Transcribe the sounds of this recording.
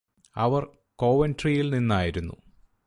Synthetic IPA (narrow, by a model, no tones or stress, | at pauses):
ɐ̰ʋɐr | ko̞ːʋɐntrijilninːaːjiɾunːṵ